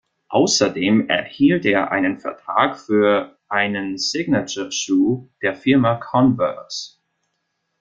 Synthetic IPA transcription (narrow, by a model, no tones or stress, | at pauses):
ʔa̰ʊsɐdeːmɛ̰ɐhiːlteːɐʔa̰ɪnənfɛɐtʁ̥a̰ːkfyːɐʔaɪnənsɪɡnat͡ʃəʃuːd̥eːɐfɪɐmakʰɔnvɛ̰s